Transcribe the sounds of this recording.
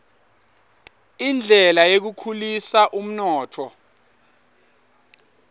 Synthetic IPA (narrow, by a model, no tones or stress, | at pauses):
ind͡ɮʱɛlajek̬ukʰulisaʔum̩nɔːtʰɔ